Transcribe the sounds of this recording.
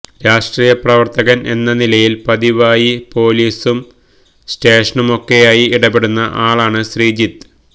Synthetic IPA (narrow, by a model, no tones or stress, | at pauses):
ɾaːʂʈriːjɐprɐʋɐrt̪ɐɣɐne̞nːɐnilɐjilpɐðiʋaːjipo̞ːliːsum | ste̞ːʂɐɳumo̞kːe̞jaːjiiɽɐbeɽunːɐʔaːɭaːɳɨɕriːd͡ʑit̪ː